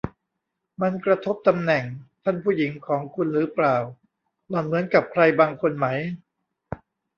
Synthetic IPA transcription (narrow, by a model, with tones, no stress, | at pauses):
ma˧nkɾa˧t̪ʰo˦˥p̚t̪a˧mnɛ˨˩ŋt̪ʰa˥˩npʰuː˥˩ji˩˦ŋkʰɔː˩˦ŋkʰu˧nɾɯː˩˦plaː˨˩w | nɔː˨˩nmɯ˩˦ənka˨˩p̚kʰɾa˧jbaː˧ŋkʰo˧nma˦˥j